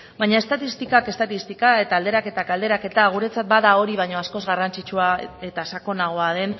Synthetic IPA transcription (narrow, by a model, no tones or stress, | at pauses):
bajɲae̞st̪at̪ist̪ikake̞st̪at̪ist̪ikae̞t̪aːld̪e̞ɾake̞t̪akald̪e̞ɾake̞t̪aɣ̞uɾe̞t͡sat̪̚baðao̞ɾiβajɲo̞asko̞zɣarant͡sit͡ʃuae̞t̪asako̞naɣo̞að̞e̞n